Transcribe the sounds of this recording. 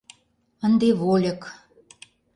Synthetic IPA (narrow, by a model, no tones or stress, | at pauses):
ə̆nd̪eβolʲə̆k